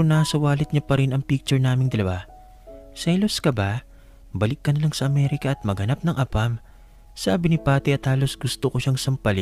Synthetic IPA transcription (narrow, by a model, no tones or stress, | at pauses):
onaːsɐwaːlɪt̪̚ɲapɐɾɪnɐŋpik̚t͡ʃʊɹnaːmɪŋd̪ɐlɐwa | sɐjloskɐba | bɐlɪkːɐnɐlaŋsɐʔɐmɛɾɪkɐʔːt̪̚mɐɡɐnap̚nɐŋʔɐpam | saːbɪnipaːt̪ɛʔɐt̪haːlo̞sɡʊst̪okoʃaŋsɐmpɐlɪ